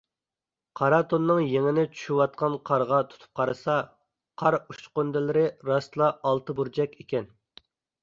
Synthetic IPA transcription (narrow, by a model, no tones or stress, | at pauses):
qʰɑɾɑt̪ʰonːɨŋjeŋɪnɪt͡ʃʰy̥ʃywɑt̪̚qɑnqʰɑɾʁɑt̪ʰu̥t̪ʰu̥p̚qʰɑɾɨsɑ | qʰɑɾut͡ʃqønd̪ɪlɪɾɪɾɑslˠɑʔɑlˠt̪ɨbuɾd͡ʒɛkʲekʲɛn